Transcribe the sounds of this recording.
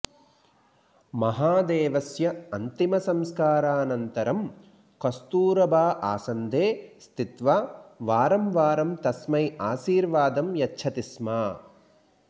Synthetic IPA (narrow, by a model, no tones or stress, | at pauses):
mɐɦaːd̪eːʋɐsjɐɐnt̪imɐsɐmskaːɾaːnɐnt̪ɐɾɐm | kɐst̪uːɾɐbʱaːʔa̰ːsɐnd̪ʱeːst̪it̪ʋaːʋaːɾɐmʋaːɾɐmt̪ɐsmɐjaːʃiːɾʋaːd̪ɐmjɐtːt͡ʃʰɐt̪ismaː